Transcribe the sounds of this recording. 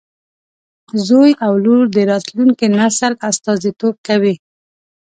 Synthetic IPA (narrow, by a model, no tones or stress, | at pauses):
zojawluɾd̪əɾɑt̪luŋkinasəlast̪ɑzit̪ob̚kawi